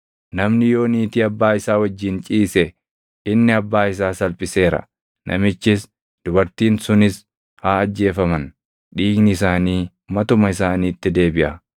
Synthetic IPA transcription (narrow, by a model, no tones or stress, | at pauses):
nɐmnɪjo̞ːniːt̪iːɐbːaːɪsaːwɐd͡ʒːɪːnt͡ʃʼiːsɛ | ɪnːɪɐbːaːɪs̬aːsɐlpʼɪse̞ːɾɐ̰ | nʔɐ̰mɪt͡ʃːɪs | d̪̥ʊbɐɾt̪iːnsʊnɪs | haːɐd͡ʒːe̞ːfɐmɐn | ᶑiːɡnɪɪsaːniː | mɐt̪ʊmɐɪsaːniːt̪ːɪd̪e̞ːbɪʔɐ